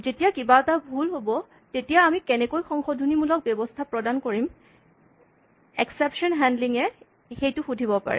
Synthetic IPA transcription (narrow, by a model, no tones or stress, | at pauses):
zetijakibatabʱulɦobɔ | tetijaːmikɛnɛkojxɔŋxɔdʱunimulɔk̚bjɔbɔstʰapɹɔdankoɹim | ɛksɛpʃɔnɦɛndliŋɛ | xejtʊxudʱibɔpa̰ɹɛ̰